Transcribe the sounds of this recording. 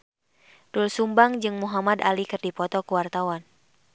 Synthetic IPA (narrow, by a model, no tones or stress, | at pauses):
dulsumbaŋd͡ʒɨŋmuɦamada̰likɨrdipɔt̪ɔkuwart̪awan